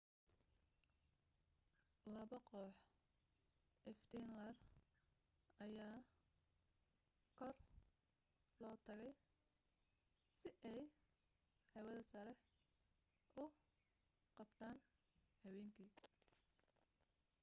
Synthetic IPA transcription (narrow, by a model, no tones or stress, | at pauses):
lɐβɐqɔːħ | ʔɛft̪ʰɛnlɐr | ɐjaː | kʰɔr | lɔːt̪ʰɐɣɛj | sɪʔɛj | ħɛwɐðɐsɐɾɛ | ʔʊ | qɑbt̪ʰaːn | hɐwɛːŋkʰiː